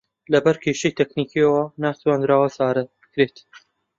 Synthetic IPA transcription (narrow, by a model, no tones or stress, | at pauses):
lɐbɐɾkʲʰeʃɐjt̪ʰeknikiɐwɐnaːt̪ʰwaːnd̪ɾaːwɐsaːɾɐɨkɾet̪